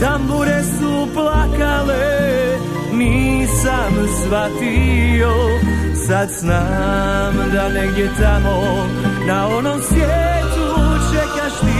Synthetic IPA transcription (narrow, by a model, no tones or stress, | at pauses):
t̪ambuɾɛsu | plakalɛ | nisamsʋat̪ijɔ | sat̪z̥namd̪anɛɡɟɛt̪amɔ | naɔnɔmsʋjɛt̪ut͡ʃɛkaʃt̪i